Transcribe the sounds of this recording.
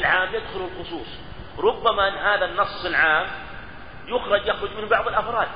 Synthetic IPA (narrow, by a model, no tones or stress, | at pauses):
lʕaːmjɪd̪xʊlulxʊsˤuːsˤ | ɾˤʊbːamaʔɪnːɦaːðanːɑsˤːɨlʕaːm | jʊxɾˤɑd͡ʒjaxɾˤʊd͡ʒmɪnbɑʕðˤɪlʔɑfɾˤɑːd̪̥̚